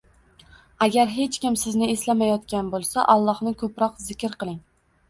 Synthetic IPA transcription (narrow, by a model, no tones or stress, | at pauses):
aɡʲaɾɦe̞t͡ʃkʲɪmsɪznɪeslamajɒt̪kʲanbolˠsaʔɒlˠːɒhnɪkʰɵpɾɒqzɪkʲɾqɨlˠɪŋ